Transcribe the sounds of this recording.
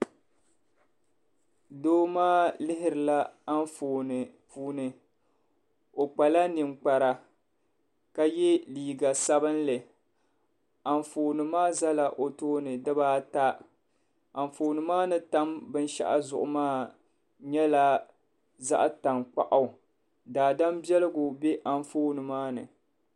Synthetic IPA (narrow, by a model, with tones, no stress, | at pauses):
doː˦maː˦lɪ˦ɦɪ˦ɾɨ˨la˦a˦n˦fo˨n˨puː˨˦nɨ˨ | o˨k͡pa˨la˦ni˨ŋ͡mk͡pa˨ɾa˨ | ka˦jɛ˦liː˨ɡa˨sa˦bɨ˦nlɨ˨ | a˨ɱfoː˨nɨ˨maː˦za˦la˨ʔo˨toː˦nɨ˨dɨ˦baː˦ta˦ | a˨ɱ˨foː˨nɨ˨maː˦nɨ˨ta˦mbɨ˦n˦ʃa̰˦ʔa̰˨zʊ̰˨ʔʊ˨maː˦˨ | ɲɛ˦la˦ | za̰˦ʔta˨ŋk͡pa̰˨ʔa˨ | daː˨da˦mbi˦ɛ˦lɨ˦ɡʊ˨bɛ˦ʔa˦ɱfoː˦nɨ˨maː˦nɨ̰˨